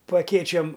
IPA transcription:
pɐ ɐˈkʲeːt͡ʃʲoːm

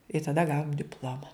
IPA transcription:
ɪ tɐˈdɐ ˈɡɑːʋoːm dʲɪpˈlˠoːmɐ

